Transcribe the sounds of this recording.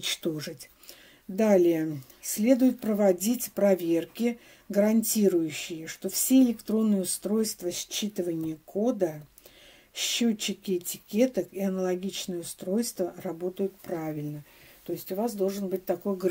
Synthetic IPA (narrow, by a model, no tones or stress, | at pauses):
t͡ɕt̪oʐɨtʲ | d̪alʲɪjə | sʲlʲe̞d̪ʊjʊt̪̚pɾəvɐdʲitʲpɾɐvʲe̞rkʲɪ | ɡəɾɐnʲtʲiɾʊjʉɕːɪjəʂt̪o̞fsʲeɪlʲɪkt̪ɾo̞nːɨjəʊst̪ɾo̞jst̪vəsʲt͡ɕːit̪ɨvənʲɪjəkʰo̞d̪ə | ɕːot͡ɕːɪkʲɪːtʲɪ̥kʲe̞t̪əkiɐnəlˠɐɡʲit͡ɕnɨjəʊst̪ɾo̞jst̪vərɐbo̞t̪əjʊt̪̚pɾavʲɪlʲnə | t̪o̞jɪsʲtʲʊvasd̪o̞lˠʐɨnbɨt̚ʲt̪ɐko̞jɡ